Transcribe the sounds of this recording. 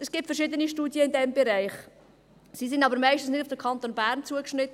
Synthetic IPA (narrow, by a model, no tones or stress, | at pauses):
ɛsɡ̥iːp̚tfəɾʃɪdəniʃtuːdjəɪndɛmbɛɾæɪχ | sis̬ɪnɑbəɾmæɪʃtən̩snɪdufd̥əkʰɑnt̪onbæːɾnt͡suəkʃnɪt̪